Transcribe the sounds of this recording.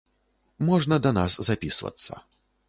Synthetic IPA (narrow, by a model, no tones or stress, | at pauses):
mɔʐnɐd̪ɐnaszapʲisvɐ̰t̪sːɐ̰